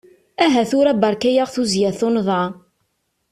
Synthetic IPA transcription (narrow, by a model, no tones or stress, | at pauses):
æɦæθʊɾæbɑɾˤkæjaʁθuzjæθʊnðˤɑ